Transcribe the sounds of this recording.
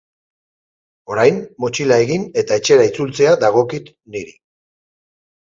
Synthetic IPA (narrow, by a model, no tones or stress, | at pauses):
o̞ɾajmːot͡ʃilae̞ɣine̞t̪aet͡ʃe̞ɾait͡sult͡se̞aðaɣ̞o̞kit̪ | niɾi